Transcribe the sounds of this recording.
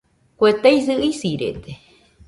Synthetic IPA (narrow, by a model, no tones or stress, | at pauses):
kʷet̪ejs̬ɨʔisiɾḛt̪e